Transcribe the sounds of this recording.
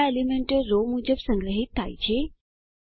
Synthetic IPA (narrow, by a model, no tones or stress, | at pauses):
elimeɳʈəɾːomud͡ʒəbsəŋɡɾəɦit̪ʰːa̰jt͡ʃʰe